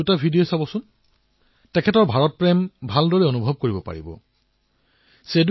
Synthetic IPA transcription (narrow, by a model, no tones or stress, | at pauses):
ʊtabʱidiosabɔsʊn | tɛkʰɛtɔɹbʱaɹɔt̚pɹɛmbʱaldɔɹɛonubʱɔb̚koɹibɔpa̰ɹḭbɔ̰ | sed